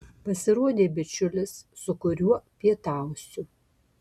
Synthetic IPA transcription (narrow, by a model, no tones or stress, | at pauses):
pɐsʲɪɾuɔd̪ʲeːbʲɪt͡ʃʲʊlʲɪsːʊkʊɾʲuɔpʲiɛt̪aʊsʲʊ